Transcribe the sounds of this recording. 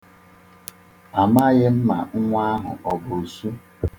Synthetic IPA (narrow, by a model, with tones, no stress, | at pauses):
a˨ma˦ɣɪ˦m̩˦ma̰˨ŋ̩˦ŋʷa˦ɦʊ̰˨ʔɔ˨bo˨su˦